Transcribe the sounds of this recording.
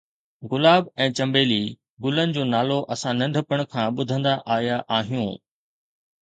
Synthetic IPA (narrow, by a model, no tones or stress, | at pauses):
ɣʊlaːbɛ̃ːt͡ɕɐ̃mbeːli | ɡʊlənɪ̆d͡ʑoːnaːloʔɐsãnɐ̃ɳɖʱəpəɽ̃kʰãːɓʊd̪ʱə̃nd̪aʔaːjaʔaːɦijṵ̃ː